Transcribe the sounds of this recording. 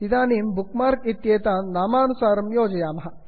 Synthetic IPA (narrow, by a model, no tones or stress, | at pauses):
id̪aːniːmbukmaːɾkit̪jeːt̪aːnnaːmaːnusaːɾɐmjoːd͡ʒɐjaːmɐɦɐ̆